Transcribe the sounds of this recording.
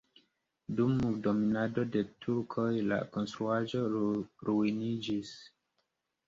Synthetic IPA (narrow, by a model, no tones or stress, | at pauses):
dumːuɡdominado̞de̞tʰuɾkʰojla̰ko̞nstɾuaʒo̞ɾuinid͡ʒis